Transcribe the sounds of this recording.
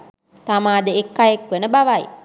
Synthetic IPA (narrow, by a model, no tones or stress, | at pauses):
t̪amaːd̪əekːajekʋenəbaʋaj